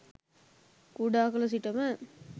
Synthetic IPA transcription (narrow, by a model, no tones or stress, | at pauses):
kuɽaːkɐlɐs̬iʈːɐmɐ